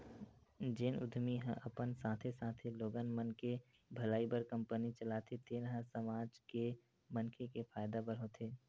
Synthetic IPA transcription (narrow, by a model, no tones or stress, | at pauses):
d͡ʒɪnʊ̰d̪ʱmiɦə̃ʔəpənsãːt̪ʰesãːt̪ʰeloːɡənmənke | bʱɐlaːibəɾkə̃mpənit͡ʃəlaːt̪ʰet̪ʰeːnɦə̃səmaːd͡ʒke | mənkʰekepʰaːjd̪abəɾɦot̪ʰeː